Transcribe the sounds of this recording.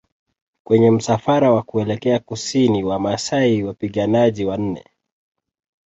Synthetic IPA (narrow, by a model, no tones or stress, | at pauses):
kwɛɲɛm̩safaɾawakuɛlɛkɛakusiniwamasaiwapiɠanaʄiwan̩nɛ̰